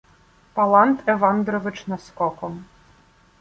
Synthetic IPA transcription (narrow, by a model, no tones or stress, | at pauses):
palˠant̪ʰɛvand̪ɾɔvɨt͡ʂnɐskɔkɔm